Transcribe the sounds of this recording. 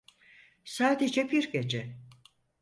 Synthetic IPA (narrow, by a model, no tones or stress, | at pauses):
saːd̪ed͡ʒɛbiɾɡed͡ʒɛ